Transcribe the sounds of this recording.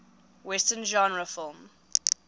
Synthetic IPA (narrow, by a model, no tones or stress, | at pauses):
wɛstə̃nʒãnɹəfɔlm